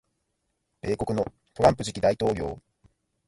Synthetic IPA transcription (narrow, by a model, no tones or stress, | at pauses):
b̥e̞ːko̞kɯ̟no̞ | t̪o̞ɾãmpɯ̟ʑikʲid̪ait̪o̞ːɡʲo̞̰ː